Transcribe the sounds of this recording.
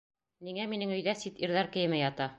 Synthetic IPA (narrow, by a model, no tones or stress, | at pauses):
niŋæminɘŋɵ̆jðæsit̪iɾðɑɾkɘ̆jɘ̆mɘjɑt̪ɑ